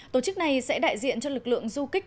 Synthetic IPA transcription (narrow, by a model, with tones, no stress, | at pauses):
t̪o˨˧˩t͡ɕɨ˦˥k̚na˨˩jsɛ̰˧˥ɗa̰ː˧˨jzḭ˧˨ənt͡ɕɔ˧lɨ˨˩k̚lɨ̰˧˨əŋzu˧kï˦˥k̟̚